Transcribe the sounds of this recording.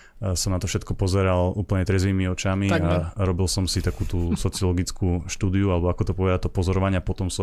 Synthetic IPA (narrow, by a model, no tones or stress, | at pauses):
sɔmnat̪ɔfʃɛt̪kɔpɔzɛɾaluːpl̩ɲɛt̪ɾɛzʋiːmiɔt͡ʃamiaɾɔbilsɔmsit̪akuːt̪uːsɔt͡siɔlɔɡit͡skʰuːʃt̪uːd̪iualɛbɔakɔt̪ɔpɔʋɛd̪at̪ɔpɔzɔɾɔʋaɲɪapɔt̪ɔmsɔ